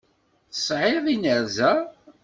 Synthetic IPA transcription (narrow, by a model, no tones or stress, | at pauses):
θə̥sˤʕɪðˤinəɾzæ